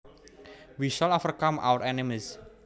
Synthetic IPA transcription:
wiʃalɔfərkãmʔa̰wəɾɛnimis

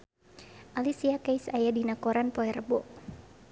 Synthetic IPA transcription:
ʔalisiakajsajadinakɔɾanpɔɛɾəbɔʔ

